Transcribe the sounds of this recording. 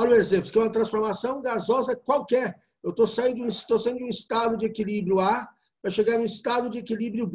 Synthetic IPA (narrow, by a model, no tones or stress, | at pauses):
alʊezẽp̪ʊskɛũmɐt̪ɾɐ̃sfoɾmasɐ̃w̃ɡazɔzɐkwawkɛɾ | ewt̪osaĩd̪ʊũst̪osaĩd̪ʊũist̪ad̪ʊd͡ʒɪekilibɾjʊa | pɾɐʃeɡaɾnʊ̃ist̪ad̪ʊd͡ʒɪekilibɾjʊb